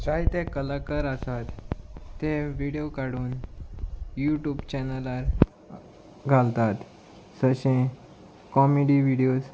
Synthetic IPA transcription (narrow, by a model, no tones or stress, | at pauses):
t͡ɕait̪ẽkəlakəɾasat̪ː | ẽʋiɽiokaɽuːn | juʈjuːbt͡ɕɛnəlaɾ | ɡʱalt̪at̪ | səɕẽ | kɔmeɖiʋiɽijos